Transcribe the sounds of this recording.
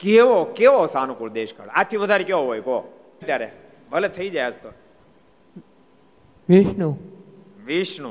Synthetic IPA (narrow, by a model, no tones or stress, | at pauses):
keʋokeʋosanũkold̪eʃkʰə̰ɭad͡ʒt̪ʰiʋəd̪ʱaɾekeʋoɦojko | t̪jaɾe | bʱəlɛt̪ʰəid͡ʒajəst̪o | ʋiʃnũ | ʋiʃnũ